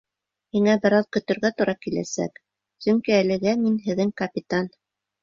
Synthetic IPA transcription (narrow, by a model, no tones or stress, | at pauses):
hiŋæbɘ̆ɾɑðkɵ̆t̪ɵ̆ɾɡæt̪uɾɑkilæ̰sæ̰k | sɵŋkiælɘ̆ɡæminɦɘ̆ðɘŋkɐpʲit̪an